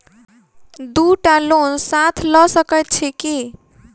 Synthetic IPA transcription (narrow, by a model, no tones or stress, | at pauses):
d̪uʈalonsat̪ʰlɔsəkət̪̚t͡ʃʰɛki